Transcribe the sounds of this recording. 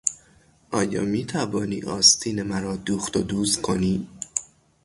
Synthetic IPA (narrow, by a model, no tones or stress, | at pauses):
ʔɒːjɒ̰ːmiːt̪ʰævɒːniːʔɒːst̪ʰiːnemæɾɒːd̪uːxt̪od̪uːzkʰoniː